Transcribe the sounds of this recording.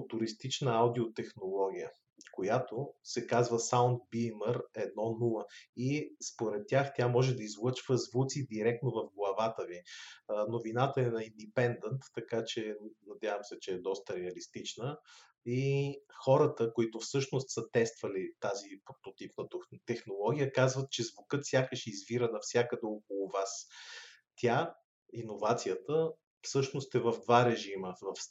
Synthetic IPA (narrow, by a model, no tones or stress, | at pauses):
t̪uɾist̪it͡ʃnəawd̪iot̪ɛxnolˠɔɡ̟ʲijə | kojat̪osɛkazvəsaʊnd̪̚biməɾɛd̪nɔnulˠəispoɾɛt̪ːʲaxt̪ʲamɔʒɛd̪ɐizlˠɤt͡ʃvəzvut̪sid̪iɾɛk̚t̪novɐfɡlˠɐvat̪əvinovinat̪əɛnɐind̪ɛpɛnd̪ɛnt̪ːɐkat͡ʃɛnɐd̪ʲjavəmsɛt͡ʃɛːd̪ɔst̪əɾɛɐlist̪it͡ʃnə | ixɔɾət̪əkoit̪ʊfsɤʃnost̪sət̪ɛst̪vɐlit̪azipɾot̪ot̪ipnət̪t̪ɛxnolˠɔɡʲijəkazvət̪̚t͡ʃɛzvʊkɤt̪fsʲjakəʃɛizviɾənɐfsʲjakəd̪ɛok̚olˠʊvas | t̪ʲʰa | inovat̪sijət̪ə | fsɤʃnost̪ɛvəvd̪vaɾɛʒiməvɐf